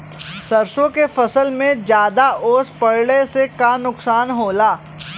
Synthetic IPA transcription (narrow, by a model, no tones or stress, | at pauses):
sɐɾsõkefɐsəlmẽd͡ʒjaːd̪aʔoːspɐɽɽesekanʊksaːnɦoːlaː